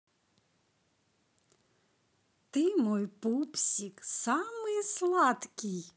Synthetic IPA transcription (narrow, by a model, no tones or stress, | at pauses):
t̪ɪmɔjpupsʲiksɑmɪslˠɑt̪kʲɪj